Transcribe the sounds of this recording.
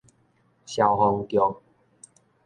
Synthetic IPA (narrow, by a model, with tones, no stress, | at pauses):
ɕja˨˩wɦɔ˧ŋkjɔ˨˩ŋ